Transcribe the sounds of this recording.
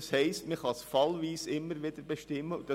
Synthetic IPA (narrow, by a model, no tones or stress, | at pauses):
shɛɪstməχɑsfɑlʋiːsɪmːəɾʋɪd̪əɾbeʃtɪmːəud̥ɑ